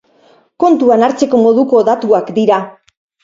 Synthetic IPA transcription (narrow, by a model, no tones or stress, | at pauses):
ko̞nt̪uanaɾt͡se̞ko̞mo̞ð̞uko̞ðat̪uakd̪iɾa